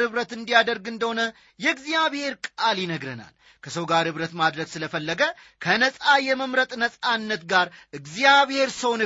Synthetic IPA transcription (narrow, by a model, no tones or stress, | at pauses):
hɨβɾət̪ɨnd̪ijad̪əɾɡɨnd̪əho̞nə | jɛɨɡzjaβhe̞ɾkʼaljɪnəɡɾəna̰l | kʰəsəwɡaɾhɨβɾət̪mad̪ɾəɡsɨləfəlːəɡə | kʰənəsʼajɛməmɾət̪ʼnəsʼanːət̪ɡaɾʔɨɡzijaβhe̞ɾsəwnɨ